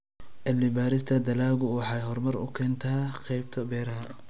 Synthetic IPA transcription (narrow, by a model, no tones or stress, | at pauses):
ʔɛlːɪbaːɾɪst̪ʰɐd̪ɐlaːɣʊwɑħɑjɦɔrmɐrʊ̰kʰɛːnt̪ʰaːqɛjb̚t̪ʰɐbɛːɾɐɦɐ